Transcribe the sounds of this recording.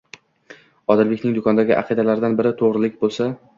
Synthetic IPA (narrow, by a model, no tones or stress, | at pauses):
ɒd̪ɪlbɪkʲnɪŋd̪ʊkʰɒnd̪aɡʲɪʔa̰qʰɨd̪alaɾɪd̪anbɪɾɪt̪ʰoʁɾɪlɪk̚ʲbolˠsa